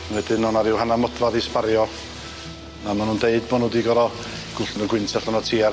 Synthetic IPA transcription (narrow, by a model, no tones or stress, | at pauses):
nwɛdɪnɔnaɾɪwhanamɔdvaðispaɾjɔ | nanɔnundeɨd̚bɔnudiɡɔɾɔ | ɡ̥ʊɬnɔɡwɪntʰɛɬɔnɔtʰiːa